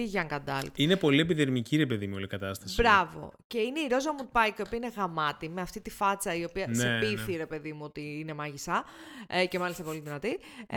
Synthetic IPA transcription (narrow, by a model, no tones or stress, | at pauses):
iʝɐŋkɐd̪ɐlt̪inepo̞lie̞piðeɾmiciɾepe̞ðimuolikɐt̪ɐst̪ɐsbɾɐvo̞̰ce̞ineiɾo̞zɐmut̪̚pɐjkiopiɐineɣɐmɐt̪ime̞ɐft̪it̪ifɐt͡sɐio̞piɐsepiθiɾepe̞ðimuo̞t̪iine̞mɐʝist̪ɐce̞mɐlist̪ɐpo̞liðinɐt̪i